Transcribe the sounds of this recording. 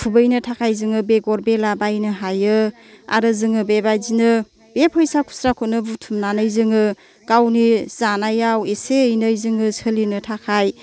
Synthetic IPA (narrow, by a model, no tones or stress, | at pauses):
pʰubɯjnɯtʰakʰajzɯŋɯbeɡɔɾbelabajnɯɦajɯ | a̰ɾɯzɯŋɯbebajzinɯ | bepʰɔjsakʰu̥sɾakʰunɯbutʰumnanɯjzɯŋɯ | kawniz̥anajaweseɯjnɯjzɯŋɯsʰəlinɯtʰakʰaj